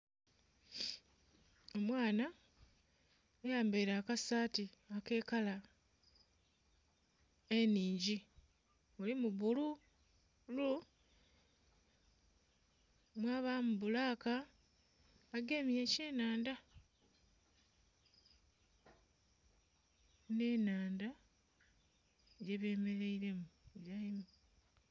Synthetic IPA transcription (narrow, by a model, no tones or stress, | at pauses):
o̞mwaːna | ejaːmbeɾaːkasaːtiake̞ːkala | eniːɲɟi | ulimuβulu | lu | mwaːβamuβulaːka | ɡemieceːnaːnda | ne̞ːnaːnda | ɟe̞βe̞ːme̞ɾe̞iɾe̞mujaimu